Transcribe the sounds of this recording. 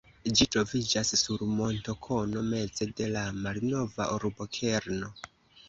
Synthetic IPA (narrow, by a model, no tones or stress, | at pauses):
d͡ʒitɾo̞vid͡ʒasːuɾmo̞nto̞kʰo̞no̞me̞t͡se̞de̞lamalno̞va̰ʔoɾbo̞kʰe̞ɾno̞